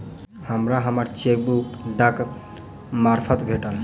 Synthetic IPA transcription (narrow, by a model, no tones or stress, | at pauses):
həmɾaɦəməɾt͡ʃek̚bukɖək | maɾpʰət̪bʱeʈəl